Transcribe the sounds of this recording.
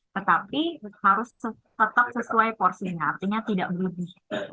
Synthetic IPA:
t̪ət̪apihaɾʊsə | t̪ət̪ap̚səsuajpɔrsiɲaːrt̪iɲat̪idaʔbəɾubɪh

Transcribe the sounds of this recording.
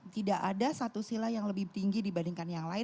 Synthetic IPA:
t̪idaʔadasat̪usilajaŋləbɪht̪iŋɡidibandiŋkanjaŋlaɪ

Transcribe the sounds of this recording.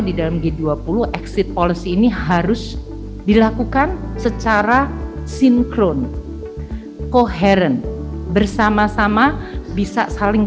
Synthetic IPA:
didalamɡeduapulʊhʔɛksɪt̪̚polisiːnihaɾʊs | dilakukansət͡ʃaɾasiŋkɾon | koɦeɾɛnbərsamasamabisa̰salɪŋ

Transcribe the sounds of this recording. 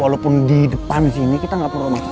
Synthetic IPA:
walopʊndidəpansinikit̪aŋɡaʔpəɾomak

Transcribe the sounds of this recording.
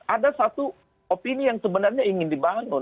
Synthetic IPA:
adasat̪u | opinijaŋsəbənarɲaiŋɪndibanʊ

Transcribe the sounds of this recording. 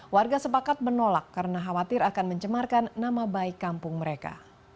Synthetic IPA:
warɡasəpakat̪̚mərnolakːaɾənaɦawat̪ɪɾakanməɲt͡ʃəmarkanːamabaikːampʊŋməɾeka̰

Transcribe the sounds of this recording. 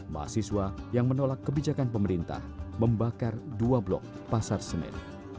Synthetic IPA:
ma̰a̰siswajaŋmənolakːəbid͡ʒakanpəməɾint̪a̰hməmbakarduablɔ̰k̚ | pasarsənɛ̰n

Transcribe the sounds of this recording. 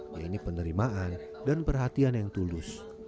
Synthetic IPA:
jainipənəɾimaʔan | danpərɦat̪ianjaŋt̪ulʊs

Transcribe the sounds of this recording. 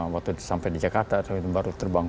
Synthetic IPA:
wakt̪usampajdid͡ʒakart̪at̪ainbaɾut̪ərbaŋ

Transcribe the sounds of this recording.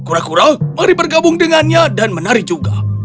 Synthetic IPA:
kuɾakuɾamaɾipərɡabʊŋdəŋanɲadanmənaɾɪd͡ʒuɡa̰

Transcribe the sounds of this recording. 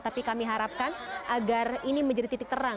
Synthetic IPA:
t̪apikamiɦaɾap̚kanʔaɡariniməɲd͡ʒadit̪it̪ɪk̚t̪əɾaŋ

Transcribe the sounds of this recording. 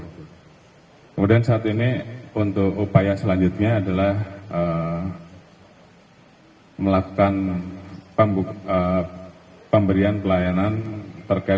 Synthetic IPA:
kəmudiansaːt̪iniunt̪ʊkupajasəlaɲd͡ʒut̪̚ɲaːdalahə | məlaku̥kan | pəmbə | pəmbəɾianpəlajanant̪ərkai

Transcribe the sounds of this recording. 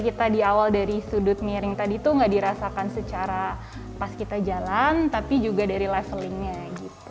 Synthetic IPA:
kit̪adiawaldaɾisudʊt̪̚miɾɪŋt̪adit̪uŋɡaʔdiɾasakansət͡ʃaɾa | paskit̪ad͡ʒalant̪apid͡ʒuɡadaɾilasəlɪŋɲaɡit̪u̥

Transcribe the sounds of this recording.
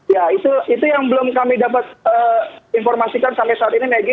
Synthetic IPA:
jait̪uit̪ujaŋbəlʊmkamidapat̪̚əːinfɔrmasikansampɛjsaːt̪inimeɡi

